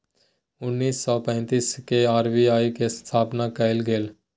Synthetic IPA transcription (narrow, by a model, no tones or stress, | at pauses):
ʊnːiːsːɔːpɛ̃ːnt̪iːskeaːɾbiaːikest̪ʰaːpnakəɪlɡeːl